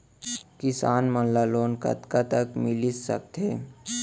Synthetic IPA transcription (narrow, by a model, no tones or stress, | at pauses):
kɪsaːnmənlaloːnkə̰t̪kat̪əkmɪlisə̰k̚t̪eː